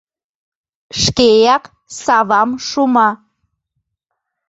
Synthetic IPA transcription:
ʃkejɑk | sɑβɑmʃumɑ

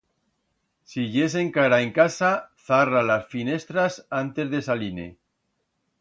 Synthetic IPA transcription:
siʝe̞s̬e̞ŋkaɾaeŋkasaθaralasfine̞st̪ɾasant̪e̞zðe̞salinḛ

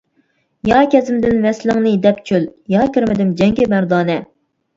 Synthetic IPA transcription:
jɑːkʲɛzɪmd̪ɪnvɛslɪŋnɨd̪ɛpt͡ʃʰyljɑːkʲiɾmɪd̪ɪmd͡ʒɛŋɡʲɪmæɾd̪ɑːnɛ

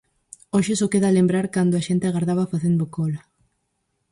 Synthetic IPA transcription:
oʃɪsokeðalembɾaɾkand̪oaʃent̪ɪaɣaɾðaβafaθend̪okɔla

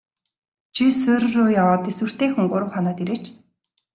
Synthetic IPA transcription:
t͡ɕʰisʊːɾ̆rʊːjawaːt̪eswŭr̥t̪eːxŭŋɢʊɾə̆wχɔnɔːt̪eɾeːt͡ɕ

